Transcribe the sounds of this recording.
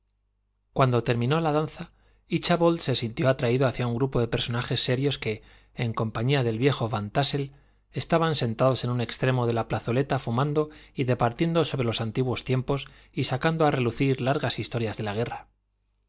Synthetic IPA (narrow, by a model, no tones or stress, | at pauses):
kwand̪o̞t̪e̞ɾmĩno̞laðanθa | it͡ʃaβo̞ld̪se̞sint̪jo̞at̪ɾaiðoaθjauŋɡɾupo̞ðe̞pe̞ɾso̞naxe̞sːe̞ɾjo̞ske̞ː | ŋkõ̞mpaɲiaðe̞lβje̞xo̞βant̪ase̞l | est̪aβanse̞nt̪aðo̞se̞nũne̞kst̪ɾe̞mo̞ð̞e̞laplaθo̞le̞t̪afumãnd̪o̞iðe̞paɾt̪je̞nd̪o̞so̞βɾe̞lo̞sant̪iɣwo̞st̪je̞mpo̞s | isakand̪oare̞luθiɾlaɾɣasist̪o̞ɾjazðe̞laɣ̞e̞ra